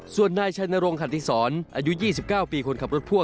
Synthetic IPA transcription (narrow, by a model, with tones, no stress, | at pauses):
su˨˩ənːaː˧jt͡ɕʰa˧jna˧ɾo˧ŋkʰa˨˩t̪ʰi˧˥˩sɔː˩˦nʔaː˧ju˦˥jiː˥˩si˨˩p̚kaː˥˩wpiː˧kʰo˧nkʰa˨˩p̚ɾo˦˥t̪̚pʰu˥˩ə